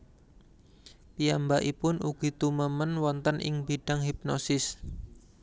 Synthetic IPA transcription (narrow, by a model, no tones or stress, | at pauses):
piambaʔipʊnuɡ̥i̤t̪uməmənwɔnt̪ənʔɪ̰ŋbiɖ̥aŋɦip̚nɔsɪs